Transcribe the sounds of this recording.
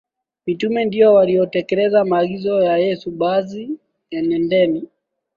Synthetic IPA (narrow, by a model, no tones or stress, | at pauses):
mitumɛndiɔwaliɔtɛkɛlɛzamaːɡizɔjajɛsuɓazi | ɛnɛndɛni